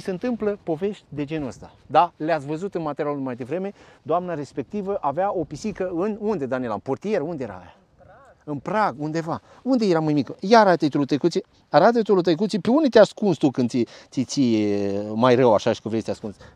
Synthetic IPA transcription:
iseɨnt̪ɨmpləpo̞ve̞ʃt̪ʲd̪e̞d͡ʒe̞nuəst̪a̰d̪aleat̪svəzut̪ɨnmat̪eɾjalumajad̪evɾe̞me̞d̪oamnaɾe̞spe̞k̚t̪ivəʔaveao̞pisikəɨnund̪e̞d̪anielaɨnport̪ije̞ɾəund̪ejeɾa̰ːja | ɨnpɾaɡund̪e̞va | und̪e̞jeɾamajmikəjaɾat̪et̪ulut̪əjkut̪si | aɾat̪et̪ulut̪əjk̬ut̪sipeund̪et̪easkunst̪ukɨnd̪siit̪si | majrəwaʃaʃi̥kɨnvɾesʲt̪easkuns

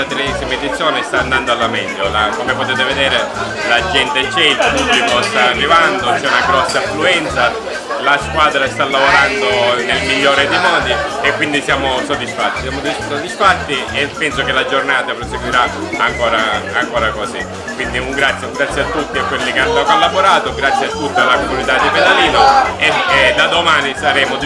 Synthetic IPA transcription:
at̪ɾeɛsimaed̪it̪sːjɔːnɪst̪aːnd̪and̪oalːamɛlːolakomepot̪eːt̪eved̪ɛːɾe | lad͡ʒɛnt̪et͡ʃɛilpublikost̪aːrːivand̪ot͡ʃɛunaɡɾɔsːafluɛnt̪sa | laskwaːd̪ɾast̪alːavoɾand̪onelmiʎːoːɾɪd̪ejmɔːd̪iekːwind̪isjaːmosod̪isfat̪ːisjaːmod̪isod̪isfat̪ːiepːɛnsokelad͡ʒornaːt̪apɾoseɡwiɾa | aŋkɔːɾaːŋkɔːɾakosi | kːwind̪iuŋɡɾat̪sːjeuŋɡɾat̪sjat̪ːut̪ːiakːwelːikeanːokolːaboɾaːt̪oɡɾat̪sːjɛat̪ːut̪ːialːakomunit̪ad̪ːiped̪aliːloeed̪ad̪omaːnisaɾɛːmo

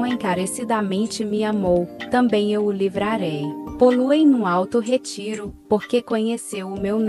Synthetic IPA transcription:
ẽj̃kaɾesid̪amẽnt͡ʃɪmiamowt̪ɐ̃mbẽj̃ewʊlivɾaɾejpoluej̃nũawt̪ʊɦet͡ʃiɾʊpoɾkekõɲesewʊmewn

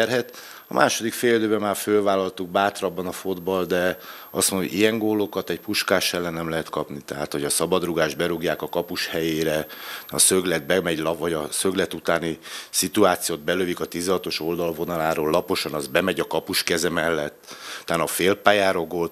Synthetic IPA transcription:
ɛrɦɛt̪ | ɒ̰mʔa̰ːʃo̞d̪ikfeːljød̪øːbɛmaːrfølvaːlːɒlt̪uɡ̚baːt̪rɒbːɒnɒfod̪bɒld̪ɛ | ɒsmuno̰ɟijɛŋɡoːlokɒt̪ɛcpuʃkaːʃɛlːɛnːɛmlɛɦɛt̪kɒpnit̪ɛɦa̰ːt̪ho̞ɟɒsɒbɒd̪ruɡaːʒd̪bɛɾuɡjaːkɒkɒpuʃhɛjeːɾɛɒ̰søɡlɛd̪̚bɛmɛɟlɒvɒɟɒsøɡlɛt̪ut̪aːnisit̪uaːt̪sijoːd̪̚bɛløvikɒt̪izɛɦɒt̪o̞ʃo̞ld̪ɒlvo̞nɒlaːɾoːlːɒpo̞ʃɒnɒzbɛmɛɟɒkɒpuʃkɛzɛmɛlːɛt̪ːt̪aːnɒfeːlpaːjaːɾo̞ɡot̪

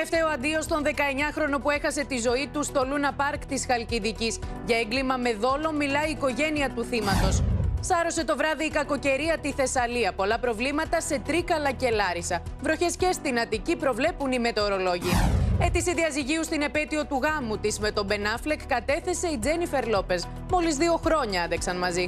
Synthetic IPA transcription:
eft̪eoɐnd̪io̞st̪o̞nðe̞kɐe̞ɲɐxɾo̞no̞pue̞xɐse̞t̪izo̞it̪ust̪o̞lunɐpɐɾkt̪isxɐlciðicisʝɐeŋɡlimɐme̞ðo̞lo̞milɐiːko̞ʝe̞niɐt̪uθimɐt̪o̞ssɐɾo̞se̞t̪o̞vɾɐðiːkɐko̞ce̞ɾiɐt̪iθe̞sɐliɐpo̞lɐpɾo̞vlimɐt̪ɐse̞t̪ɾikɐlɐce̞lɐɾisɐvɾo̞çe̞sce̞st̪inɐt̪icipɾo̞vle̞punime̞t̪e̞oɾo̞lo̞ʝiɐe̞t̪isiðiɐziʝiust̪ine̞pe̞t̪io̞t̪uɣɐmut̪izme̞t̪o̞be̞nɐflekːɐt̪e̞θe̞se̞id͡ze̞nife̞ɾlo̞pe̞z | mo̞lizðio̞xɾo̞ɲɐeðeksɐnmɐzi

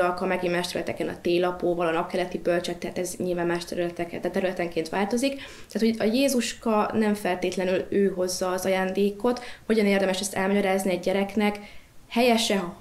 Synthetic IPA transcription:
ɒkɒmɛɡimmaːʃt̪ɛɾylɛ̰t̪ɛkɛnɒ̰t̪eːlɒpoːvɒlɒnɒp̚kɛlɛt̪ibølt͡ʃɛt̪ːɛɦaːt̪ɛzɲilvaːmmaːʃt̪ɛɾylɛt̪ɛkɛɛt̪ɛɾylɛt̪ɛŋkeːnt̪ʋaːlt̪o̞zik | t̪ɛaːt̪hoɒjeːzuʃkɒnɛɱfɛlt̪eːt̪lɛnyløːɦo̞zːɒːzɒjaːnd̪eːko̞t̪ho̞ɟɒneːrd̪ɛmɛʃɛst̪ɛlmɒɟɒɾaːzniɛɟɟɛɾɛknɛkhɛjɛʃɛ

